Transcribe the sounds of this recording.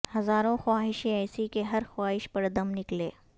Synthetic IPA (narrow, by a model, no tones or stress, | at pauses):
hɐzaːɾõxwaːɦɪʃẽɛːsikeɦɐɾxwaːɦɪʃpɐɾd̪ɐmnɪkleː